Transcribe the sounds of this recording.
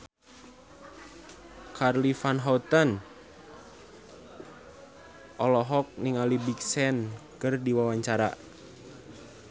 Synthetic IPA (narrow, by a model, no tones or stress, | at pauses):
kʰarlifanɦɔut̪ən | ʔɔlɔɦɔk̚niŋalibiksɛnkɨrdiwawaɲt͡ʃaɾa̰